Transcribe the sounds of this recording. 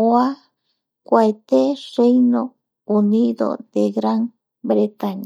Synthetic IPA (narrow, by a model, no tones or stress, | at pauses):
oa | kʷaet̪erejno | uniðo̰d̪eɡɾaŋ | bɾet̪aɲa